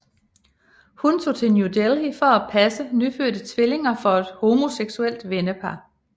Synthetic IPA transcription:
hunt͡sʰo̝̰ːt͡sʰe̝njud̥elifɒ̽æpʰæsənyføɐ̰d̥ət͡sʰʋele̝ŋɐfɒ̽e̝d̥ho̝mo̝seɡ̥suel̰d̥ʋenəpʰɑ̈

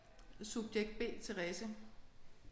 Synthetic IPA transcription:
sub̥jeɡ̥̚d̥̚b̥e̝̰ːt͡sʰeʁɛsə

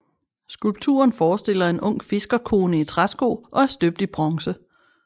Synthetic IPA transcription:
sɡ̥ulb̥̚t͡sʰṵːɐnfɒːsd̥e̝l̰ɐe̝nʔɔ̽ŋ̰̥fe̝sɡ̥ɐkʰo̝ːnəit͡sʰʁasɡ̥o̝̰ːʔɒ̽æɐsd̥øb̥̚d̥ib̥ʁɒ̽ŋsə

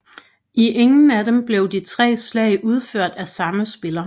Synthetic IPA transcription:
ʔiʔeŋn̩æd̥emb̥le̝ʊd̥it͡sʰʁɛ̰ːslɛ̰ɪʔuð̞ˠføɐ̰d̥æsɑ̈məsb̥e̝lɐ

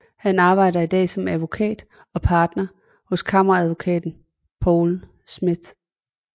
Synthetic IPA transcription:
hænɑ̈ːb̥ɑ̈ɪ̰ɾɐid̥ɛ̰ːsɒ̽mæðˠʋo̝kʰɛ̰ːd̥ | ɒ̽pʰɑ̈ːd̥nɐ | hɔ̽skʰɑ̈mɐʁɑæðˠʋo̝kʰɛ̰ːd̥n̩ | pʰɒːl̩ | smið̥ˠ

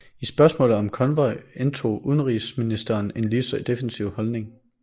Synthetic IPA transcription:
isb̥ɶɐsmɔ̰̽ːlð̩ˠɒ̽mkʰɒ̽nʋɒɪent͡sʰo̝̰ːuð̞ˠənʁiːsminisd̥ɐne̝nlisɐd̥efensiʊ̰hɒlne̝ŋ

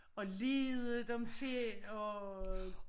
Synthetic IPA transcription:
ɒ̽le̝ːðˠəd̥emt͡sʰe̝ɒ

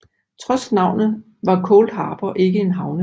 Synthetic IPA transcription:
t͡sʰʁɒ̽snɑ̈ʊ̰nð̩ˠ | ʋɑ̈kʰɔːld̥ɦɑ̈ːb̥ɐʔe̝ɡ̥əe̝nɦɑ̈ʊnə

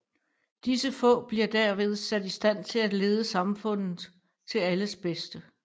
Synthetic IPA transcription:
d̥isəfɔ̰̽ːb̥liɐd̥æɐʋe̝ð̞ˠsæd̥isd̥æn̰t͡sʰe̝læ̥le̝ːð̞ˠəsɑ̈mfɔ̽n̰ð̩ˠ | t͡sʰe̝læləsb̥esd̥ə

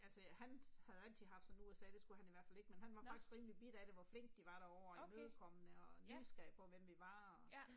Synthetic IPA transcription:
ælsəhænhæð̩ˠæl̰t͡sʰiðˠɦɑfd̥sɒ̽nuesɛ̰ːd̥e̝sɡ̥uhæniʋæɐfæle̝ɡ̥menɦhænʋɑ̈fnɑ̈ɡ̥isɡ̥ʁiːmlib̥id̥æɾe̝ʋɒfle̝ŋ̰ɡd̥iʋɑ̈ɾ̥æɒʊ̰ɐemøðˠkʰɒ̽mənəɒnysɡ̥ɛ̰ːpʰɒ̽ʋem̰ʋiʋɑ̈ɒ

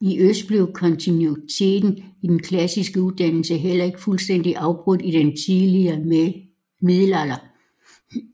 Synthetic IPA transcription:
iʔøsd̥̚b̥le̝ʊkʰɒ̽nt͡sʰinut͡sʰe̝̰ːd̥n̩id̥enkʰlæsisɡ̥əuðˠd̥æn̰l̩səɦel̰ɐe̝ɡ̥əfulsd̥en̰d̥iʔɑ̈ʊb̥ʁɔd̥iɾ̥ent͡sʰiðˠliɐ | miðˠlælɐ

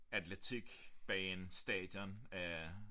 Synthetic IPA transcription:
æd̥let͡sʰiɡ̥b̥ɛensd̥ɛ̰ːd̥jɒnæ

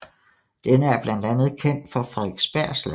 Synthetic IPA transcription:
d̥enəæɐb̥lænd̥ænð̞̩ˠkʰen̰d̥fɒ̽fʁɑðˠɡ̥sb̥æɐ̰sl

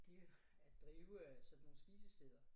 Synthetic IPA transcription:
ɡ̥iɐ | ædd̥ʁiːʊsɒ̽dno̝ːn̩sb̥iːsəsd̥eðˠɐ

